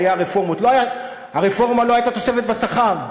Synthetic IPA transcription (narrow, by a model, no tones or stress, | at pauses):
jaʁefo̞ʁmot̪lo̞aja | haʁefo̞ʁmalo̞ajt̪at̪o̞sefet̪basaχam